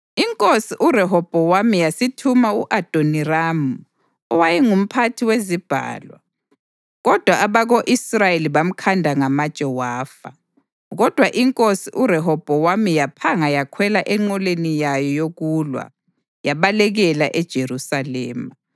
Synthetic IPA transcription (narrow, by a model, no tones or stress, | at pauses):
iŋkʼosiʔurɛɦɔb̥ʱɔwamijasitʰumauʔad̥ʱoniramu | ɔwajɛŋum̩pʰatʰiwezib̥ʱa̰ːlwa̰ | ɣɔd̥ʱwaːβaɣoʔisrajeliβam̩kʰandʱaŋamad̥ʒ̥ʼʱɛwaːfa | ɣɔd̥ʱwaʔiŋkʼosiʔuɾɛɦɔb̥ʱɔwamijapʰaŋajakʰwɛlaʔɛŋ͡ǀɔlenijajɔjoɣulwa̰ | jaβalɛɣɛlaʔɛd̥ʒ̥ʱeɾusalɛːma